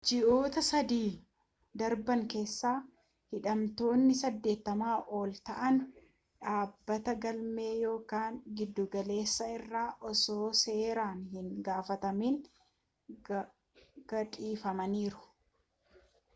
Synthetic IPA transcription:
d͡ʒɪʔo̞ːt̪ɐsɐd̪iː | d̪ɐɾbɐŋke̞ːsːaː | hɪᶑɐmt̪o̞ːnːɪsɐd̪ːe̞ːt̪ːɐmaːʔo̞ːlt̪ɐʔɐn | ᶑaːbːɐt̪ɐɡɐlme̞ːjo̞ːkaːŋɡɪd̪ːʊɡɐle̞ːsːɐɪrːaːʔɔso̞ːse̞ːɾaːnhɪŋɡaːfɐt̪ɐmiːŋ | ɡ̥ɐtʼiːfɐmɐniːɾʊ̥

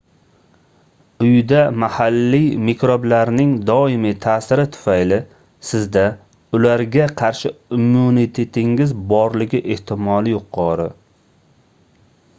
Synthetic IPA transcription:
ʊjd̪amahalːimekʲɾoblaɾnɪŋd̪ɒɪmit̪ʰaːsɪɾɪt̪ʰʊ̥fajlɪ | sɪzd̪a | ʊlaɾɡʲaqʰɑɾʃɪʊmunit̪ʰet̪ʰɪŋɪzbɒɾlɪɡʲɪʔe̞ht̪ʰɪmɒlɪjʊqʰɒɾɪ

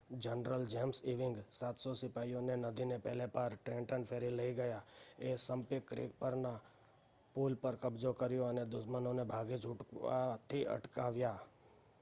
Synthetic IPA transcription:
d͡ʒənɾəld͡ʒɛmsiʋɪ̃ŋɡsaːt̪sosɪpaːijõnenəd̪ʱinepɛɦlepəɾʈɾẽɳʈəɳpʰeɾiləiɡəjaesə̃mpɪkːɾḛk̚pəɾna | pulpəɾkəbd͡ʒokəɾjoəned̪ʊʃmənõnebʱaɡid͡ʒʊʈkʋa̰t̪ʰiʔə̰ʈkaʋja

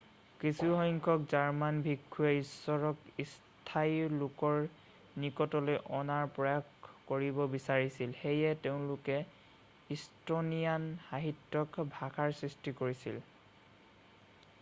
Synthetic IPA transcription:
kisuhɔŋkʰɔkzaɹmanbʱikʰːuɛisːɔɹɔkis | tʰailʊkɔɹ | nikɔtɔlojʔɔnaɹpɹɔjakkoɹibɔbisaɹisilxejɛteʊ̃lʊkɛ | istonijanxaɦitːɔkbʱakʰaɹsɹistikoɹisḭl

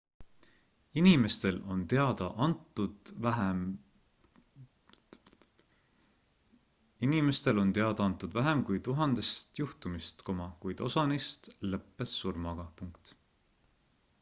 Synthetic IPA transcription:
inime̞st̪e̞lo̞nt̪e̞ɑd̪̥ɑʔɑnt̪ːˑud̪̥væɦem | inime̞st̪e̞lo̞nt̪e̞ɑd̪̥ɑɑnt̪ːˑud̪væɦemkujt̪uɦɑnd̪̥e̞st̪juht̪umist̪ko̞mɑkujd̪̥o̞sɑnist̪lɤpːesːurmɑɡ̥ɑpuŋkt̪

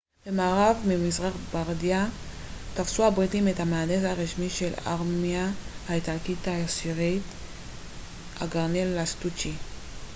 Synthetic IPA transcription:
b̥emaːʁavmimizʁaχbaʁdja | tafsuhabʁitimethameadesaʁiʃmiʃe̞la̰ʁmmiahaitalkitaasiʁit | a̰ɡaʁnelːast̪ut͡ʃi

